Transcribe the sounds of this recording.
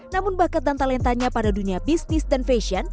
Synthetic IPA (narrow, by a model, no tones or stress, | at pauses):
namʊnbahkant̪ant̪alɛnt̪aɲapadaduniabist̪ɪsdanfeʃian